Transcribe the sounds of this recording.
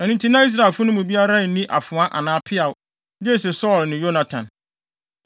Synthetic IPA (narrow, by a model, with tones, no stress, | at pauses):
ɛ˨ñĩ˨ntʰi˦nã˦i˦s̬ɾa˨e˨lfʊ˦nʊ̃˦mũ˨bi˦a˦ɾa˦˨˦nĩ˦ʔa̰˨fʊ̃˨ã˦ʔa̰˨nãː˦pʰɪ˦a˨ʊ˦ | d͡ʒe˦˨s̬ɛ˨sɔː˦˨lnɪ̃˨jo˦na˨tʰã˨n